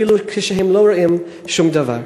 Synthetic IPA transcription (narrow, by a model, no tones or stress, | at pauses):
ilukʰeʃɛɦemloɾaʔim | ʃumd̪ava̰ɾ